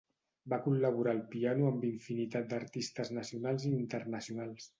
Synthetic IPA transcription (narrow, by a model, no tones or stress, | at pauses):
bakulləβ̞uɾaːlˠpianuəmbiɱfinit̪at̪̚d̪əɾt̪ist̪əznəsiunalˠziːnt̪ərnəsiunalˠs